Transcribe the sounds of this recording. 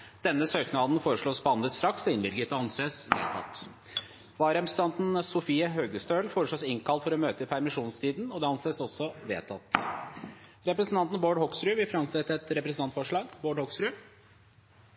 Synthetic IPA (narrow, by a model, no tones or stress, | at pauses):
d̪̥ɛnːəsøːknɑd̪n̩foːɾəʂɭoːspʰɔɑnd̪əst̪ɾɑksɔɪnbɪlɡət̪ɑɑnseːsʋḛːt̪ʰɑ̰t̪ː | ʋɑːɾɛmst̪ɑnt̪n̩sʊfiːəɦøːɡəst̪øːlfoːɾəʂɭoːsɪŋkʰɑlt̪fɔɾɔmøːt̪əɪpʰæɾmɪʂuːnst̪ʰiːd̪nɔd̪ɛɑnseːsɔsːɔʋḛːt̪ʰɑt̪ː | ɾɛpɾəsənt̪ɑnt̪n̩boːɖhɔksɾʉʋɪfɾɑnsɛt̪ːɛt̪ɾɛpɾəsn̩t̪ɑnt̪fɔʂɭɑːɡboːɖhɔksɾʉ